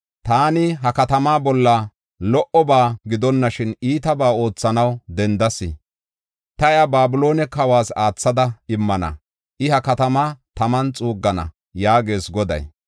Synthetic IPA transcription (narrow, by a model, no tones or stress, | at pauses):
t̪aːnɪɦɐkɐt̪ɐmaːbɔlːɐ | lɔʔɔbaːɡɪd̪ɔnːɐʃɪniːt̪ɐbaːo̞ːt͡sːɐnɐwd̪ɛnd̪ɐsɪ̰ | t̪ɐjɐbaːbʊlo̞ːnɛkɐwaːsaːt͡sːɐd̪ɐɪmːɐnɐ̰ | ʔɪhɐkɐt̪ɐmat̪ɐmɐnt͡sʼuːɡːɐnɐ̰ | jaːɡe̞ːsɡɔd̪ɐ̰j